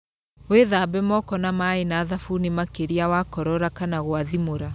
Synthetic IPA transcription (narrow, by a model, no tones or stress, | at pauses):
weðabɛmɔkɔnamainaːðafunimakeɾiawakɔɾɔɾakanaɣwaðimoɾa